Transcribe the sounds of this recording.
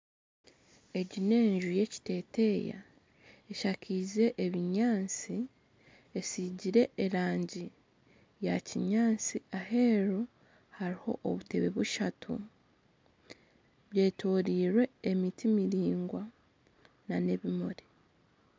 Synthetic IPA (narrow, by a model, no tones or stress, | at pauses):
e̞ɟine̞ːɲʒuje̞ci̥te̞ːte̞ja̰ | eʃakʰize̞ʔeβiɲaːnt͡si | e̞siɟiɾe̞ːɾaːɲɟi | jaciɲaːnt͡siaɦe̞ːɾo | haɾiho̞̰ʔːβute̞βe̞βuʃatʰṵ | βje̞ːtʰoːɾiːɾwe̞emitʰimiɾiːŋɡwa | nane̞βimoɾe